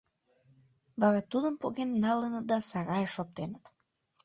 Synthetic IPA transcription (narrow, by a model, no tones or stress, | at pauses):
βɑɾɑt̪ud̪əmpoɣenːɑlənət̪̚d̪ɑsɑɾɑjəʃop̚t̪enət̪